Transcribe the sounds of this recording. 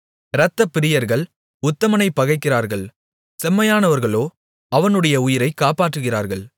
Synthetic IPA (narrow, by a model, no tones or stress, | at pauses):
ɾɐt̪ːɐpːɪɾɪjɐɾɣɐɭ | ʊt̪ːɐmɐnɐɪpːɐɣɐɪkːɪɾaːɾɣɐɭ | sɛmːɐjaːnɐʋɐɾɣɐɭoː | ɐʋɐnɯɽɐjɐʊjɪɾɐɪkːaːpaːʈrɯɣɪra̰ːɾɣɐɭ